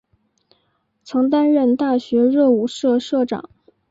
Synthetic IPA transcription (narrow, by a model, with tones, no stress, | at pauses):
t͡sʰɤ˧˥ŋt̪a˥nɻə˥˧nt̪a˥˩ɕɥɛ˧˥ɻɤ˥˩u˨˩ʂɤ˥˧ʂɤ˥˩ʈ͡ʂɑ̰˨˩˦ŋ